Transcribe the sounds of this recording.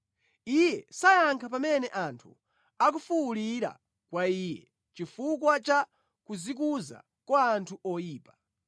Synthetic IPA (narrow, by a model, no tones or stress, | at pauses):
ijɛsajaŋkʰapamɛnɛʔantʰṵ | ak̬ufuuliɾa̰ | kwaiːjɛ | t͡ʃifukwat͡ʃa | kuzik̬uza̰ | kwaːntʰuʔɔjiːpḁ